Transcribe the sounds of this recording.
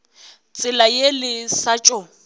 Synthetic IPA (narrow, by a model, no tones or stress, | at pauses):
t͡sʼɪlajelɪsat͡ʃʼɔ